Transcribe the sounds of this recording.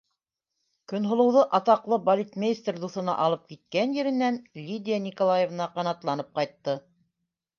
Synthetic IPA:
kɵ̆nɦŏlˠɤ̆wðɤʔɑt̪ɑqlˠɤbɐlʲit̪mʲejst̪rd̪uθɤ̆nɑ̰ʔɑlˠɤp̚kit̪̚kænjɘ̆ɾɘ̆nænlʲid̪ʲɪjanʲikolˠajevnɑqɑnɑt̪lˠɑnɤp̚qɑjt̪ːɤ

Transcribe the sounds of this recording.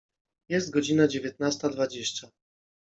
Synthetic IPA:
jɛst̪̚ɡɔd͡ʑinad͡ʑevʲjɛt̪nast̪ad̪vad͡ʑeɕt͡ɕa

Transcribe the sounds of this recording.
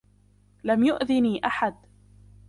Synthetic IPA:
lamjʊʔðɪniːʔaħad̪

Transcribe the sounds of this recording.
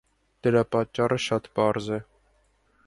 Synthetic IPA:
d̪̥əɾɑpɑt̪̚t͡ʃːɑɾəʃɑt̪pɑɾzɛ

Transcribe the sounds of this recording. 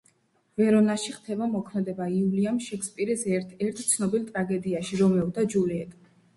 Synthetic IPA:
vɛɾɔnaʃiχt̪ʰɛbamɔkʰmɛd̪ɛbaiuliamʃɛkspʼiɾisɛɛɾt̪ʰt̪sʰnɔbilˠt̪ʼɾaɡɛd̪iaʃiɾɔmɛɔd̪ad͡ʒuliɛt̪ʼ

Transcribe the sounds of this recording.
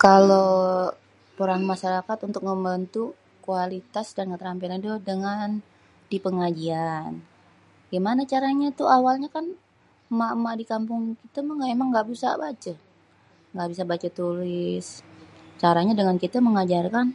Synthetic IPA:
kalo | pəɾaŋmaʃaɾakat̪unt̪ʊk̚məmbənt̪u | kualit̪asdankət̪əɾampilandodəŋan | dipəŋad͡ʒian | ɡimanat͡ʃaɾaɲat̪uawalɲakan | maʔmadikampʊŋkit̪aməŋaemaŋɡaʔbisa̰bat͡ʃə | ŋɡaʔbisabat͡ʃat̪ulɪst͡ʃaɾaɲadəŋankit̪aməŋad͡ʒarkan

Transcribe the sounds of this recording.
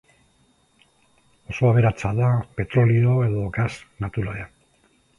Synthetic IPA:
o̞so̞aβ̞e̞ɾat͡saðape̞t̪ɾo̞lio̞e̞ðo̞ɡasnat̪uɾoea

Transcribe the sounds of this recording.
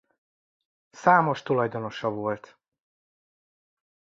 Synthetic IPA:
saːmo̞ʃt̪ulɒjd̪o̞no̞ʃɒvo̞lt̪

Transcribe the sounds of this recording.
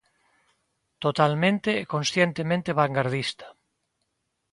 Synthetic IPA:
t̪ot̪almẽnt̪eːkõnsθjent̪emẽnt̪eβaŋɡaɾðist̪ḁ

